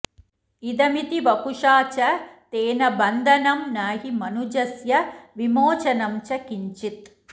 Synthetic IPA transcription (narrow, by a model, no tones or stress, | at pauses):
id̪ɐmit̪iʋɐkuʂaːt͡ʃɐt̪eːnɐbɐnd̪ʱɐnɐmnaːɦimɐnud͡ʒɐsjɐʋimoːt͡ʃɐnɐmt͡ʃɐkiɲt͡ʃit̪